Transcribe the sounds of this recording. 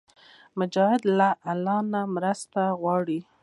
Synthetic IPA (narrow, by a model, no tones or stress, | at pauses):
mʊd͡ʒɑhɪd̪laʔalɑnamɾəst̪aɣwɑɽi